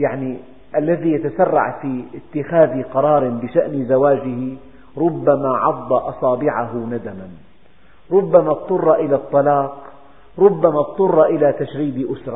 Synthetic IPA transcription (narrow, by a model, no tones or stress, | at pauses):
jaʕni | ʔalːaðijat̪asɑrˤːɑ̰ʕfiɪt̪ːɪxaːðiqɑɾˤɑːɾˤɪbɪʃaʔnɪzawaːd͡ʒɪhi | ɾʊbːamaʕɑd̪ˤːɑʔɑsˤɑːbɪʕaɦʊnad̪aman | ɾˤʊbːamat̪ˤːʊrˤːɑʔɪlat̪ˤːɑlɑːq | ɾˤʊbːamat̚t̪ˤːʊrˤːɑʔɪlat̪aʃɾiːbʔʊsɾˤɑ